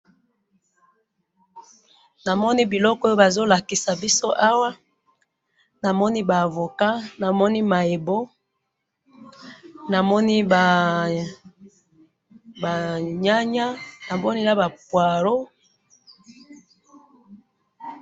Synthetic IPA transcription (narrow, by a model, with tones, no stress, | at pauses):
na˨mɔ˦ni˦bi˨lɔ˦kɔ˦jo˦ba˨zo˦la˨ki˨sa˨bi˦so˦ʔa˦wa˦ | na˨mɔ˦ni˦baː˨vo˨ka˦na˨mɔ˦ni˦ma˨e˨bo˦ | na˨mɔ˦ni˦ba˨ | ba˨ɲa˦ɲa˦na˨mɔ˦ni˦la˦ba˨pwa˨ɾo˦